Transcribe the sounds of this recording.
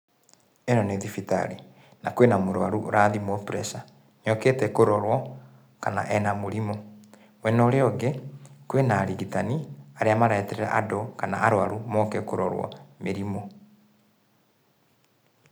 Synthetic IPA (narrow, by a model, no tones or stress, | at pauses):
enɔneðifita̰ɾi | nakwenamoɾwaɾuʔoɾaːðimwɔpɾɛsa | ɲɔketɛkoɾɔɾwɔ | kana̰ʔɛnamoɾimɔ | mwɛnɔɾeɔɡekwenaːɾiɣitaniaɾeamaɾaɛtɛɾɛɾa̰ʔadokana̰aɾwaɾumɔkɛkoɾɔɾwɔ̰meɾimo